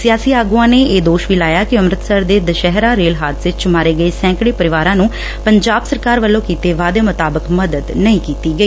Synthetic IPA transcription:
sɪjaːsiːaːɡuãːneːeːd̪oːʃʋiːlaːjaːkɪəmɾət̪səɾd̪eːd̪əʃɛɦɾaːɾeːlɦaːt̪sɪt͡ʃmaːɾeːɡəiːsɛ̃ːŋkɽeːpəɾɪʋaːɾãːnũː | pəɲd͡ʒaːbsəɾkaːɾʋəlːõːkiːt̪eːʋaːd̪eːmʊt̪aːbəkməd̪əd̪nəĩːkiːt̪iːɡəiː

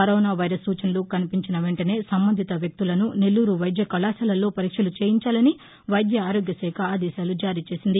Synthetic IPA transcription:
ɐɾoːnaːʋɐjɾɐsːuːt͡ʃɐnɐlukɐnipiɲt͡ʃinɐʋe̞ɳʈɐne̞ːsɐmbɐnd̪ʱit̪ɐʋjɐk̚t̪ulɐnune̞lːuːɾuʋɐjd̪jɐkɐlaːsɐlɐlːo̞ːpɐɾiːkʂɐlut͡ʃeːjiɲt͡ʃaːlɐni | ʋɐjd̪jɐaːɾoːɡjɐsɛːkʰɐːd̪ɛːʃaːlud͡ʒaːɾiːt͡ʃe̞ːsind̪i

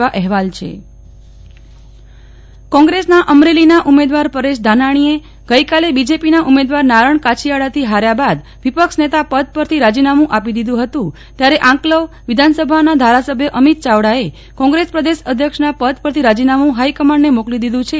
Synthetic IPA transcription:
aʔɛɦʋalt͡ʃʰḛ | kɔ̃ŋɡɾesnaʔəmɾelinaʔumed̪ʋaɾpəɾeʃ̬d̪ʱanaɽ̃ie | ɡ̥əjkalebid͡ʒepinaʔumed̪ʋaɾnaɾəɳkat͡ʃʰijaɭat̪ʰiɦaɾjabad̪ | ʋipəkʃnet̪apəd̪̚pəɾt̪ʰiɾad͡ʒinamũʔapid̪id̪ũɦət̪ũ | t̪jaɾeʔãŋkləʋ | ʋid̪ʱansəbʱanad̪ʱaɾasəbʱjəʔəmit̪̚t͡ʃaʋɽae | kɔ̃ŋɡɾespɾəd̪esəd̪ʱjəkʂnapəd̪̚pəɾt̪ʰiɾad͡ʒinamũɦaijkəmaɳɖnemoklid̪id̪ũt͡ʃʰe

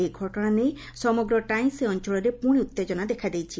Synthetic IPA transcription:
eɡʱɔʈɔɽ̃anej | sɔmɔɡɾɔʈajmseɔnt͡ʃɔɭɔɾepuɽ̃iut̪ːed͡ʒɔnad̪ekʰad̪ejt͡ʃʰi

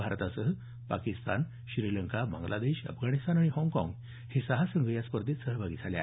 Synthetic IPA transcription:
bʱaɾt̪asəɦə | pakist̪a̰n | ɕɾiləŋkaba̰ŋɡlʔad̪eɕə̰fɡʱaɽ̃ist̪anaɽ̃iɦɔ̃ŋɡkɔ̰̃ŋɡ | hisəɦasəŋɡəjaspəɾd̪ʱet̪səɦəbʱaɡiːd͡zʰʱalja̰

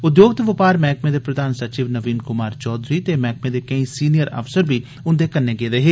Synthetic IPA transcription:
ʊd̪joːɡ̚t̪ʋɪpaːɾmɛːk̚mẽːd̪eːpɾəd̪aːnsət͡ʃiːʋnəʋiːnkʊmaːɾt͡ʃɔːd̪ɾiːt̪eːmɛːk̚mẽːd̪eːkəĩːsiːnijəɾə̰fsəɾbiː | ʊnd̪eːkənːeːɡeːd̪eːɦeː

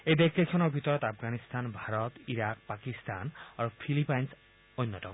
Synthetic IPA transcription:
ejdekʰːekʰːɔnɔɹbʱit̪ɔɹɔt̪apʰɡanist̪anbʱaɹɔt̪iɹak̚pakist̪a̰naɹupʰilipajns | ojnːɔtɔ̰

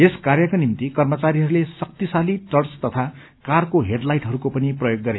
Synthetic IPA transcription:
eskarjʌkonimt̪ikʌrmʌt͡saɾiɦʌɾulesʌk̚t̪isaliʈʌrst̪ʌt̪ʰa | karkoɦeɖlajʈɦʌɾukopʌniprʌjoɡːʌɾe

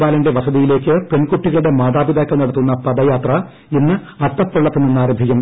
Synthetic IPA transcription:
baːlɐnɖe̞ʋɐsɐðijile̞ːkːɨpe̞nkuʈːiɣɐɭuɽe̞maːðaːbid̪aːkːɐlnɐɽɐt̪ːunːɐpɐd̪ɐjaːt̪rɐ | enːɨ | ɐrt̪ːɐpːeɭːɐt̪ːenːinːaːɾɐbʱiɣɐm

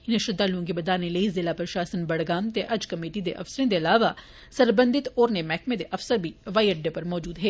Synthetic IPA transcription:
ɪnɐʃɾɪd̪aloõkibɐd̪aːnẽleːizɪlapɐɾʃaːsənbɐɽɡaːmt̪eʔɐd͡ʒkɐmeːʈid̪eʔɐ̰fsɾẽd̪eɐlaːʋa | sɐɾbə̃nd̪ɪt̪ɔːɾnemɛːkmẽd̪eʔɐfsəɾbʱiʋaːiəɖepɐɾmɔːd͡ʒuːd̪ɦɛː

